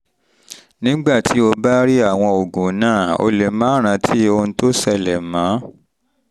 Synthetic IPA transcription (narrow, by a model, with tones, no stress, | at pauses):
nĩ˦ɡ͡ba˦˨tʰi˨˦o˧ba˦ɾi˦a˦˨w̃ɔ̃˧o˨ɡũ˨˦nãː˦˨o̰˧le˨mãː˦ɾ̃ã˨˧tʰi˦o˧ñ̩˧˦to˦sɛ˦˧˨lɛ˨mã˨˦